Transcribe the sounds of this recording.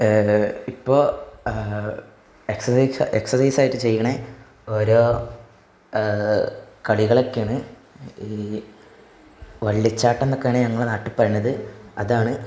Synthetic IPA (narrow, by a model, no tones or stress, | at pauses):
ipːo̞ː | eksɐsseksɐsɐjsaːjitːɨt͡ɕe̞jːɐɳe | o̞ːɾo̞ː | kɐɭiɣɐɭo̞kːeːɳɨ | iː | ʋɐɭːit͡ɕːaːʈːenːokːeaːɳeɲɐŋːɐɭnaːʈːɨpːɐrinːɐðɨɐðaːɳɨ